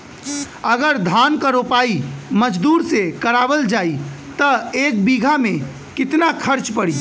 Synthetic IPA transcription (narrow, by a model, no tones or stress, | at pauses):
əɡəɾd̪ʱaːnkəɾopaːiməd͡ʒd̪uːɾsekəɾaːbəld͡ʒaːi | t̪əeːk̚biɡʱamẽ | kɪt̪nakʰəɾt͡ʃpəɽiː